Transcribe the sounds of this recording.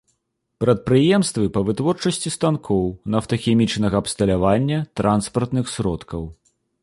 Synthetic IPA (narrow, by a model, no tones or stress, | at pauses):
pɾɐt̪̚pɾɨjɛmst̪vɨpɐvɨt̪vɔrt͡ʂɐsʲt͡sʲist̪ankʰɔwnɐwt̪ɐxʲɛmʲit͡ʂnɐɣɐɐpst̪ɐlʲavanʲːɐt̪ɾʔanspɐrt̪nɨxsʲɾɔt̪kɐw